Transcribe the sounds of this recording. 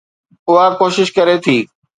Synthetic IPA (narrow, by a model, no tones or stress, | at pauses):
ʊɦakoːʃɪʃkɐɾet̪ʰiː